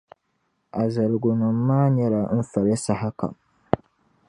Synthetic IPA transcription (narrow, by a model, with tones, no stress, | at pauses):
a˨za˨ɾɡʊ˨ma˨mːaː˦ɲɛ˦la˨n̩˦fa˨lɛ˦sa˦ha˦ka̰˨m